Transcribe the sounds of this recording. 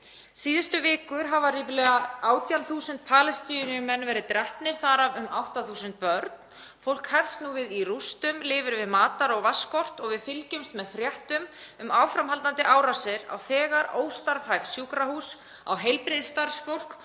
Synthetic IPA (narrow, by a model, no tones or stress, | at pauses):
siːðɪst̪ʏvɪːkʏɾ̥ɦavaɾiːpɪlɛːɣaaːwt̪janθuːsʏnt̪̚pʰaːlɛst̪inʏmɛnvɛːɾɪðt̪ɾɛhpnɪɾ̥θaɾavʏmawht̪aθuːsʏnt̪̚pœɾt̪̚n | fowl̥khɛfsnuvɪðirust̪ʏmlɪːvɪɾvɪðmaːt̪aɾɔɣvaskɔr̥t̪ɔɣvɪðfɪlcʏmst̪mɛðfɾjɛht̪ʏmʏmaːwfɾamhalt̪ant̪ɪʔaːwɾasɪɾa̰wθɛːɣaɾoːwst̪aɾvhajvsjuːkɾahuːs | a̰wɦejlpɾɪðst̪aɾsfowl̥k